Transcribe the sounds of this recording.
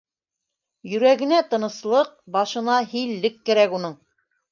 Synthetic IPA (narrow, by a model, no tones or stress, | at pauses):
jɵ̆ɾæɡɘ̆næt̪ɤ̆nɤ̆slˠɤq̚bɑʃɤ̆nɑɦilːɘkːɘ̆ɾækunɤɴ